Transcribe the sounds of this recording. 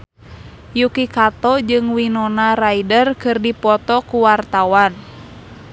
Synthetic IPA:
jukikat̪ɔd͡ʒɨŋwinɔnaraidərkɨrdipɔt̪ɔkuwart̪awan

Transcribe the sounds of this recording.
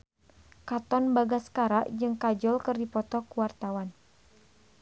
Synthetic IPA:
kat̪ɔnbaɡaskaɾaʔd͡ʒɨŋkad͡ʒɔlkərdipɔt̪ɔkuwart̪awan

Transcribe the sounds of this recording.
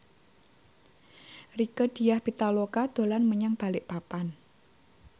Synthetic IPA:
rikəd̥i̤jahb̥it̪alokad̪̥o̤lanməɲaŋb̥a̤lɪʔpapan

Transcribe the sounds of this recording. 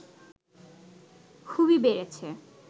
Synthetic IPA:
kʰuβibeɾet͡ɕʰe

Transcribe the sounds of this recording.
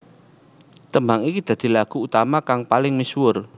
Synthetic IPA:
t̪əmbaŋikid̪̥a̤d̪̥i̤laɡ̥ṳut̪amakaŋpalɪŋmiswʊr

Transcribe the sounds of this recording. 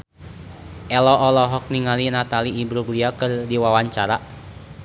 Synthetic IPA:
ʔɛlɔʔɔlɔɦɔk̚niŋalinat̪aliːbɾuɡliakɨrdiwawaɲt͡ʃaɾa

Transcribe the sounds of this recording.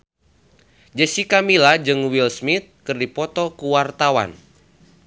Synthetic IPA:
d͡ʒəsikamilad͡ʒɨŋwilsmit̪̚kɨrdipɔt̪ɔkuwart̪awa̰n

